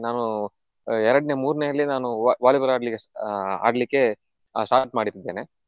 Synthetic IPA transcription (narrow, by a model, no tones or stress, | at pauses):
naːnu | ɛɾɐɽɐne̞muːɾnejɐlːinaːnuʋaːlibɐɾaːɽlikːea̰ːɽlikːe̞ | sʈaːʈmaːɽiɾid̪ːeːne